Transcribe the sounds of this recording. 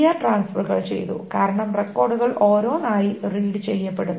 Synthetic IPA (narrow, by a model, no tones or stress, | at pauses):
jaʈraːnsfɐrɣɐ̰ɭt͡ɕe̞̰jt̪ṵkaːɾɐɳɐmrekːo̞ːrɖuɣɐɭʔo̞ːɾo̞ːnaːjiriːɖɨt͡ɕe̞jːɐpːe̞ɽunː